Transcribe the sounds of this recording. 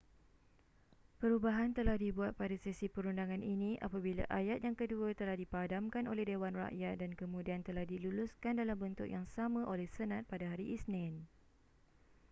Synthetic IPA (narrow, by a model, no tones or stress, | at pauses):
pəɾubaɦant̪əlahdibuat̪̚padasisipəɾundaŋãninĩʔa̰pabila̰ʔajat̪̚jaŋkəduat̪əlahdipadamkanolɛhdewanra̰ʔjat̪̚dankəmũdiant̪əlahdiluluskandalambənt̪ʊkjaŋsamãʔolɛhsənãt̪̚padaɦaɾiʔisnɪ̃n